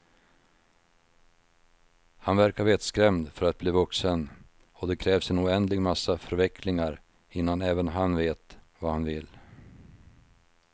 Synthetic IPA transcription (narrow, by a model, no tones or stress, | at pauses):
hanvæɾkaɾveːt̪skɾɛmd̪fœɾat̪̚bliːvɵksən | ɔd̪ɛkʰɾɛːvsɛnʊɛnd̪lɪɡmasːafœɾvɛkʰlɪŋaɾ | ɪnːanɛːvənɦanveːt̪vahanvɪlː